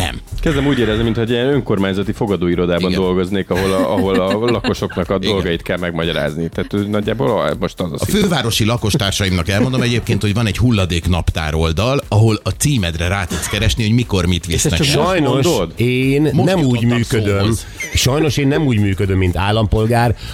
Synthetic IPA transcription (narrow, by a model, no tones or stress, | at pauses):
nɛ̰mkɛzd̪ɛmuːɟeːɾɛzniminho̞ɟiɛnø̞ŋko̞rmaːɲzɒt̪ifo̞ɡɒd̪oːiɾo̞d̪aːbɒnd̪o̞lɡo̞zneːkɒɦo̞lɒɦo̞lɒlɒko̞ʃo̞knɒkɒd̪o̞lɡɒjit̪kɛlmɛɡmɒɟɒɾa̰ːznit̪aːt̪ønɒɟːaːboːlmo̞ʃt̪ɒzɒ̰sɒ̰føːvaːɾo̞ʃilɒko̞ʃt̪aːrʃɒjimnɒkɛlmo̞nd̪o̞mɛɟeːpkeːnt̪ho̞ɟvɒnɛɟhulːɒd̪eːknɒpt̪a̰ːɾo̞ld̪ɒlɒɦo̞lɒt̪siːmɛd̪rɛɾaːt̪ut̪skɛɾɛʃnihoɟmiko̞rmit̪ʋisɛ̰ʃʃɒjnoʃd̪eːnːɛmuːɟmyːkød̪øm | ʃɒjno̞ʃeːnːɛmuːɟmyːkød̪ømːint̪aːlːɒmpo̞lɡaːr